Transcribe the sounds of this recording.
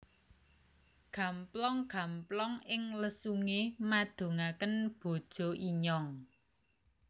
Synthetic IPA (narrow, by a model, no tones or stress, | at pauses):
ɡ̥a̤mplɔŋɡ̥a̤mplɔŋɪŋləsuŋemad̪̥o̤ŋakənb̥o̤d̥ʒ̥ɔ̤ʔiɲɔŋ